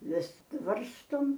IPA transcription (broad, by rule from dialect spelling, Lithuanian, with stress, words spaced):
ˈʋʲɪs ˈʋɐrstoːm